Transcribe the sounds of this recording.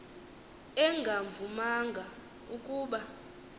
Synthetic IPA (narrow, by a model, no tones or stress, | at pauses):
ɛŋɡʱaɱvumaŋɡʱa | ukʼuːɓa